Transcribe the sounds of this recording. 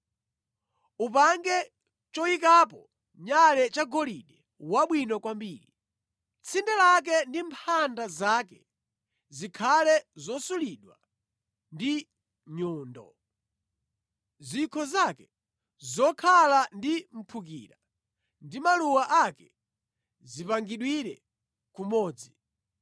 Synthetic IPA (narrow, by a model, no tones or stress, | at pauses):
upaŋɡɛ | t͡ʃɔikap̬ɔ | ɲalɛt͡ʃaɡɔliɗɛ | waɓwinɔkwambiːɾi | t͡sʰindɛlak̬ɛndimpʰandazaːkɛ | zikʰalɛzɔsuliɗwa̰ | ndi | ɲɔːndɔ̰ | zikʰɔzakɛ | zɔkʰalandim̩pʰuk̬iːɾa | ndimaluwaʔakɛ | zipaŋɡiɗwiɾɛ | kumɔːd͡zi